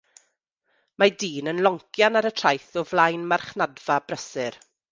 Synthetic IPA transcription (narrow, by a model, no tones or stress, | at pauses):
madiːnənlˠɔŋkʰjanaɾətʰr̥ajθɔvlˠajnmarχnadv̥abrəsɨɾ